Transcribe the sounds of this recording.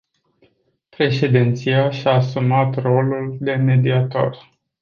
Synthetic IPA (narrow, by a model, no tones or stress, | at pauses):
pɾe̞ʃe̞d̪int̪sijaʃaːsumat̪ro̞luld̪e̞me̞d̪iat̪o̞̰r